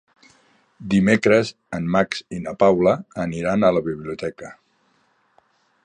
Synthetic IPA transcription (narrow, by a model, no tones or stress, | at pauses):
d̪imekɾəz | ənmaksinəpawləːniɾanələβiβliut̪ɛkə